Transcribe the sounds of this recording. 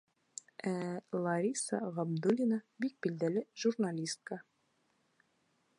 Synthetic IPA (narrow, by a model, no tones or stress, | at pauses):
ælˠɐɾʲisɑ̰ʁɑbd̪ulʲinəbik̚bild̪ælɘʒurnalʲist̪̚kə